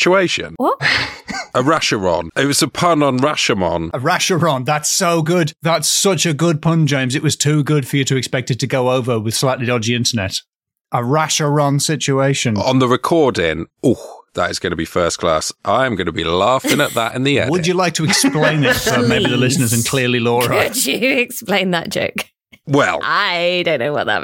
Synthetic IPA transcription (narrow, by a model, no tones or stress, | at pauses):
t͡ʃueɪʃə̰̃nw | ʔəɹaʃəɹɔ̰̃nɪt̚wɒzəpʰʌ̃nə̃nɹaʃəmɔ̰̃nəɹaʃəɹɔ̃nðatsoʊɡʊd̪ðətsʌt͡ʃɨɡʊd̚pʰʌ̃nd͡ʒẽɪ̃mzɨʔwɒz̥tʰʉːɡʊd̥fəjɨtʰɨɛkspɛk̚tɨd̚tʰɨɡoʊoʊvəwɪð̥slaɪʔˡlidɒd͡ʒiɪ̃ntənɛ̰t | ʔəɹaʃəɹɒ̃nsɪt͡ʃueɪʃə̃nə̰̃nðəɹɪkʰɔɹdɪ̰̃ŋuðə̰tɪzɡʌnəbifɜˑskʰl̥ɑ̰sʔãɪ̃mɡʌnəbilɑˑfɪ̃ŋə̰ʔ̪ðə̰tɪ̰̃nðiɛ̰̃wəd͡ʒɨlaɪk̚tʰəɛksplẽɪ̃nɪtəmeɪbiðəlɪsnə˞zɨ̃nkʰl̥ɪəlilɔːɹəɨd͡ʒɨɪksplẽɪ̃nðəʔ̚d̥ʒ̥o̰ʊk | wɛ̰lˠaɪdõʊ̃nːoʊwʌ̰ʔðə̰ʔ